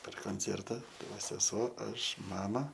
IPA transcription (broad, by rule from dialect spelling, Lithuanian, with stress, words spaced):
pʲɛr koːnʲˈt͡sʲɛrtɐ ˈtɐɪ ˈʋɐ sʲɛˈsuɔ ˈɐʃ ˈmɑːmɐ